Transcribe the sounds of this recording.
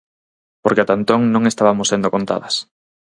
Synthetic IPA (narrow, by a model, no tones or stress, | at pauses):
poɾkɪat̪ant̪oŋnõŋest̪aβamʊsend̪okont̪a̰ðɐs